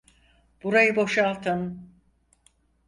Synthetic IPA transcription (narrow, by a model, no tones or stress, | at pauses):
b̥uɾajɯbo̞ʃalˠt̪ʰɯn